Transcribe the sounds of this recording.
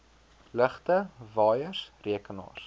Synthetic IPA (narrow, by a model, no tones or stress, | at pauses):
ləχtəvɑːjəsriəkənɑ̰ːr